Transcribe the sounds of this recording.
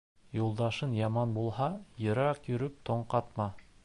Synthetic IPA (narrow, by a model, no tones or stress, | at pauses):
julˠd̪ɑʃɤnjɑmɑnbulˠhɑjɤ̆ɾɑqjɵ̆ɾɵp̚t̪oɴqɑt̪mɑ